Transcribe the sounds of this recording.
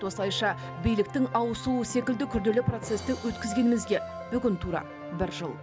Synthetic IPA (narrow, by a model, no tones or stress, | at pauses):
wo̞slˠɑjʃɑ | bijlɪk̚t̪ɪŋɑwəsuəse̞kʲɪld̪ɪkʲʰʏɾd̪e̞lɪpro̞t̪se̞st̪ɪwɵt̪kʲɪzɡʲe̞nɪmɪzɡʲe̞ | b̥ʏɡʲɪnt̪ʰuɾɑ̰ | bɪɾʒə̰lˠ